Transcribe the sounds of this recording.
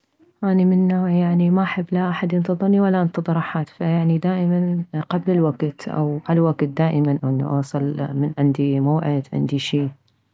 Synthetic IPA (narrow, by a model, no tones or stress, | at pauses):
ʔaːnimɪnːaːʕjaʕnimaʔaħabːlaʔaħad̪jɪnt̪ɨðˤɨɾniwalːaʔɪnt̪ɨðˤɨɾaħaːt̪fajaʕnid̪aːʔɪmanqablɪlwaɡt̪ʔa̰wʕalwaɡt̪̚d̪aːʔɪmanʔanːa̰ʔɑːsˤɑlmɪnʕɪnd̪imaːʕɪd̪ʕɪ̰nd̪iʃiː